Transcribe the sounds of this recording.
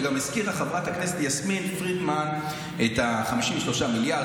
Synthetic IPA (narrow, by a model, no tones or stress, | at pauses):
ɡamiskiʁaχavʁat̪aknesetjasminfʁitman | et̪aχamiʃimeʃlo̞ʃamilja